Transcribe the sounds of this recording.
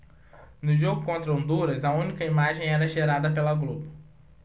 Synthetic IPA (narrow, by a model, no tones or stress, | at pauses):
nʊʒoɡʊkõnt̪ɾɐõnd̪uɾɐzɐũnikɐimaʒẽj̃ɛɾɐʒeɾad̪ɐpelɐɡlobʊ